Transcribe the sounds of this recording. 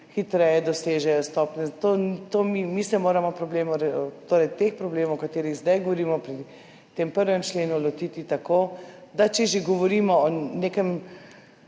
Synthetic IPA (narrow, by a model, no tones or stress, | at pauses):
xit̪ɾɛjɛd̪ɔseːʒɛɔst̪ɔpnɛzat̪ot̪oːmimisɛmoːɾamɔpɾɔbleːmɔɾt̪oːɾɛjt̪expɾɔbleːmɔwɔkat̪eːɾiɣzd̪ajɡoʋɔɾiːmɔpɾi | t̪empəɾʋɛmt͡ʃleːnulɔt̪iːt̪it̪akoːd̪at͡ʃɛʒeɡɔʋɔɾiːmɔɔneːkɛm